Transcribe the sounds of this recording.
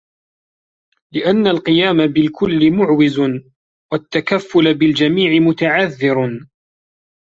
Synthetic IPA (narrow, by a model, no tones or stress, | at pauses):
lɪʔanːalqɨjaːmabɪlkʰʊlːɪmʊʕwɪz | wat̪ːakafːʊlabɪld͡ʒamiːʕɪmʊt̪aʕaðːɪɾ